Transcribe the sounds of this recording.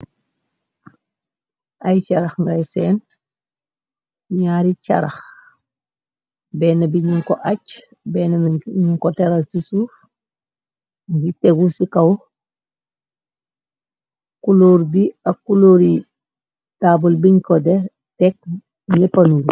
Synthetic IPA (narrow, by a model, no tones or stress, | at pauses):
ʔajt͡ʃaɾɐxŋɡajsɛn | ɲaːɾit͡ʃa̰ɾax | bɛːnabiɲuŋkoʔat͡ʃ | bɛːnamɲuŋkoteɾasisuːf | ɡiteɡusikaw | kuloːɾbiakuloɾi | taːbulbiɲkode | tɛk̚ | ɲepanuɾ